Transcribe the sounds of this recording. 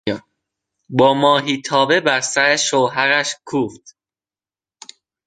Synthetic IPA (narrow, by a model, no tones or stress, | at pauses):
bɒːmɒːɦiːt̪ʰɒːbe̞bæɾsæɾeʃowɦæɾæʃkʰuːft̪